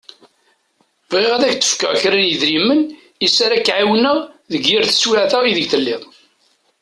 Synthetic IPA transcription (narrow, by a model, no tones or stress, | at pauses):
vʁiʁæðæçt͡s̪ːə̥fkæ̰ʁçɾænjəðɾimːən | isaɾækːʕiwnəʁðəɡːɪɾθə̥swaʕθæiðəɡθəlːiðˤ